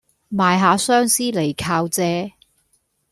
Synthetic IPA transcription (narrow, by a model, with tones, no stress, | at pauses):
maː˨jɦaː˨˥sœː˥ŋsiː˥le˨˩jkʰaː˧wt͡sɛː˨˧